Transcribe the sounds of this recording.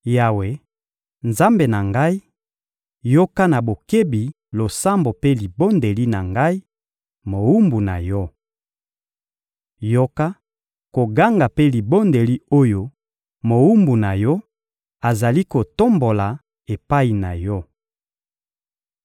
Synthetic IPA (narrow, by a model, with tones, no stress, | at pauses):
ja˨we˨ | nza˦mbe˨na˨ŋɡa˦i˦ | jo˦ka˦na˨bo˨ke˦bi˨ | lo˨sa˦mbo˨pe˦li˨bo˦nde˨li˦na˨ŋɡa˦i˦ | mo˨wu˦mbu˨na̰˨jɔ˦ | jo˦ka˦ | ko˨ɡa˦ŋɡa˨pe˦li˨bo˦nde˨li˦o˦jo˦ | mo˨wu˦mbu˨na˨jɔ˦ | a˨za˨li˦ko˨to˦mbo˨la˨ | e˨pa˦i˨na˨jɔ˦